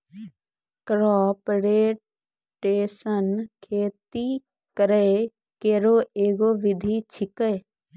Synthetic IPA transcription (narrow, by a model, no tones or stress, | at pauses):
kɾɔːpɾeː | ʈeːsənkʰeːt̪i | kəɾe | keːɾoːeːɡoːʋɪd̪ʱiːt͡ʃʰɪkeː